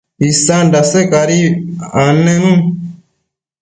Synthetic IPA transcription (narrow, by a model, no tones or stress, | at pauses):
isandasekaɾianẽm̩